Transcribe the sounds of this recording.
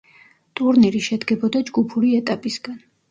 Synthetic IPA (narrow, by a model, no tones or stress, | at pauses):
t̪ʼuɾniɾiʃɛd̪ɡɛbɔd̪ad͡ʒɡupʰuɾiɛt̪ʼapʼisɡan